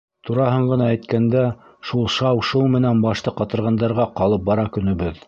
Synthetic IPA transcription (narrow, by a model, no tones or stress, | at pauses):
t̪uɾɑɦɤɴɢɤ̆nɑæjt̪kænd̪æ | ʃulˠʃɑwʃulˠmɘ̆nænbɑʃt̪ɤqɑt̪ɤ̆ɾʁɑnd̪ɑɾʁɑqɑlˠɤp̚bɑɾɑkɵ̆nɵ̆βɘð